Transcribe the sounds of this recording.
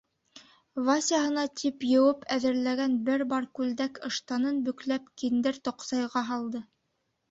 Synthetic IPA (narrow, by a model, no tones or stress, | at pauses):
vasʲijahɤ̆nɑt̪ʰipjɤ̆wɤpʰæðɘ̆ɾlæɡænbɘɾbɑɾkʉld̪ækɤ̆ʃt̪ɑnɤnbɵ̆klæpkind̪ɘɾt̪ŏqsɑjʁɑɦɑlˠd̪ɤ